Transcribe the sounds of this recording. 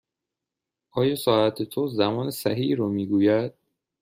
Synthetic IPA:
ʔɒːjɒːsɒːʔæt̪ʰet̪ʰozæmɒːnesæɦiːɾomiːɡuːjæd̪̥̚

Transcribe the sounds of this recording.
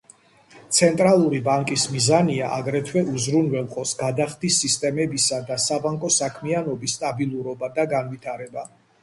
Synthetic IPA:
t̪sʰɛnt̪ʼɾalˠuɾibaŋkʼismizaniaʔaɡɾɛt̪ʰwɛʔuzɾunvɛlˠqʼɔpsɡad̪aχd̪isːist̪ʼɛmɛbisad̪asabaŋkʼɔsakʰmianɔbist̪ʼabilˠuɾɔbad̪aɡanvit̪ʰaɾɛba

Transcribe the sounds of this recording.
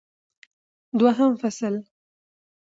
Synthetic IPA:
d̪waɦamfasəl

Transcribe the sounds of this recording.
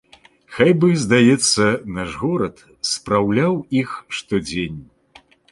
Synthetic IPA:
xajbɨzd̪ajɛt̪sːɐnaʐɣɔɾɐt̪ | spɾawlʲawixʂt̪ɔd͡zʲenʲ

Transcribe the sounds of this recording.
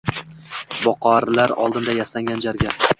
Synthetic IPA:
bɒqɒɾlaɾɒ̰lˠd̪ɪnd̪ajaslaŋɡʲand͡ʒaɾɡʲa

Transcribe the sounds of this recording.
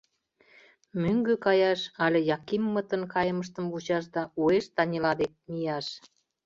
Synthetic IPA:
møŋɡøkɑjɑʃɑlʲĕjɑkimːət̪ə̆nkɑjə̆məʃt̪ə̆mvut͡ɕɑʃ̬d̪ɑueʃt̪ɑnʲilɑd̪ek̚mijɑʃ

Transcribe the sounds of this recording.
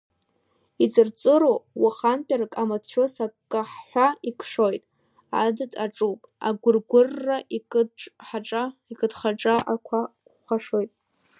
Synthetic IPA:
it͡sɨrt͡sʼɨɾowwaχanpʼarkʼamat͡sʰʃosakʼːaħħʷaikʷʰʂo̞jtʼ | a̰dɨtʼaʈ͡ʂʼupʼa̰ɡʷʊrɡʷʊrːaʔikʼʈ͡ʂʼħaʈ͡ʂʼaikʼɨdχaʈ͡ʂʼaʔakʷʰa | χaʂojtʼ

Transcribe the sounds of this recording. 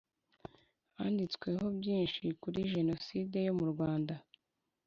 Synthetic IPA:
haːndit͡skwe̞ɦo̞bjiːnʃikuɾiʒe̞no̞siːde̞jo̞muɾɡwaːnda

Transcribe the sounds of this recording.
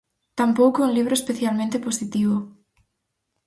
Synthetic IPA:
t̪ampowkounliβ̞ɾoespeθjalmẽnt̪eposit̪iβ̞o

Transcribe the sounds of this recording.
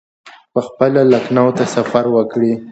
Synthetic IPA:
pəxpəlalaknawt̪asafaɾwəkɽi

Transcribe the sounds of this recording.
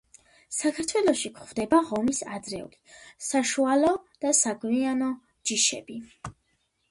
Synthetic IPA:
sakʰaɾt̪ʰwɛlˠɔʃikʰχvd̪ɛbaʁɔmisa̰d̪zɾɛṵlisaʃualɔd̪̥asaɡwianɔ | d͡ʒiʃɛbi

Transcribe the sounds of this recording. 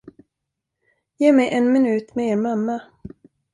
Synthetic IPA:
jeːmɛjʔɛnmɪnʉ̟ːt̪mɛeːɾmamːa

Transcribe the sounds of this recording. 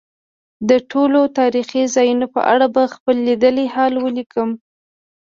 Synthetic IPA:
d̪əʈʰolot̪ɑɾixizɑjunopə̰ʔa̰ɽabaxpəlːid̪əlehɑlwəlikəm

